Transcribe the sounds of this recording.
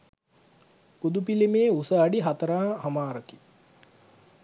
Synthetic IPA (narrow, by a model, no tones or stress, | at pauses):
pud̪upilimeːusəːɖiɦat̪əɾaːhamaːɾəki̥